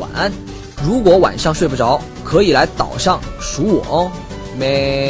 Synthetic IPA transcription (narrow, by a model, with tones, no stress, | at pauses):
wa̰˨˩na˥˩n | ɻu˧˥kwɔ˧˥wa̰˨˩nʂɑ˥˧ŋʂwpu˥˩ʈ͡ʂɑ˧˥ʊ | kʰɤ˧˥i˨˩la˧˥ɪt̪ɑ̰˨˩ʊʂɑ˥˩ŋʂu˧˥wɔ̰˨˩˥ | me˧